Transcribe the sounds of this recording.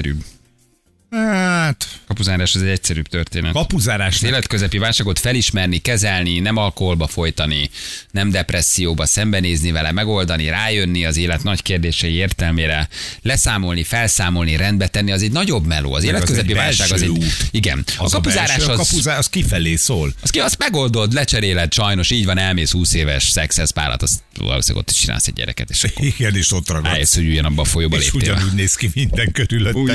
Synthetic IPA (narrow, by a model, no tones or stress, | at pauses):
ɛɾy̰ːb | at̪kɒpuzaːɾaːʃɒzɛɟɛcsɛɾyːb̚t̪ørt̪ḛːnɛ̰kɒpuzaːɾaːʃzeːlɛt̪̚køzɛpivaːlʃaːɡo̞t̪fɛliʃmɛrnikɛzɛlninɛmɒlko̞ɦo̞lbɒfo̞jt̪ɒninɛmd̪ɛprɛsːijoːbɒsɛmbɛneːznivɛlɛmɛɡo̞ld̪ɒniɾaːjø̞nːiɒzeːlɛt̪nɒckeːrd̪eːʃɛjieːrt̪ɛlmeːɾɛ | lɛsaːmo̞lnifɛlsaːmo̞lniɾɛnd̪̚bɛt̪ɛnːiɒzɛɟnɒɟo̞bmɛlo̰ːɒ̰zeːlɛt̪køzzɛppivaːlʃaːɡɒzɛuːt̪iɡɛ̰nɒkɒpuzaːɾaːʃɒzɒuzaskifɛleːsoːlɒskiɒsmɛɡo̞ld̪o̞t̪lɛt͡ʃɛɾeːlɛt̪ʃɒjno̞ʃiːɟvɒnɛlmeːshuːseːvɛʃsɛksɛspa̰ːlʔɒ̰t̪ɒst̪ɒ̰lo̰ːsɛ̰ɡo̰t̪ːi̥ʃt͡ʃina̰lsɛ̰ɟ̚ɟɛ̰ɾɛ̰kɛt̪e̥̰ːʃiɡɛneːʃot̪rɒɡɔ̰jeshoɟuɟɒnɒbːɒfojoːbɒlḛːpueɟɒnuːɟneːskimind̪ɛŋkøɾylø